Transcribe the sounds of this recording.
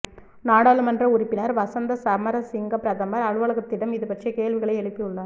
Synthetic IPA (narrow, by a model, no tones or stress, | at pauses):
naːɽaːlɯmɐndrɐʊɾɪpːɪnɐɾʋɐsɐnd̪ɐsɐmɐɾɐsɪŋɡɐpɾɐðɐmɐɾɐɻɯʋɐɭɐɣɐt̪ːɪɽɐmɪðɯpɐʈt͡ʃɐkeːɭʋɪɣɐɭɐɪɛɭɯpːiʊɭːɐ